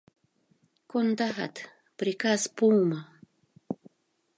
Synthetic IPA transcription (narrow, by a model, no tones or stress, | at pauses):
kond̪axa̰t̪ | pɾikaspuːma